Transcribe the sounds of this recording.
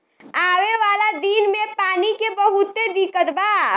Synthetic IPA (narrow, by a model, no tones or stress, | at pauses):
aːʋeʋaːlad̪iːnmẽpaːnikebɐɦʊt̪ːed̪ɪkət̪baː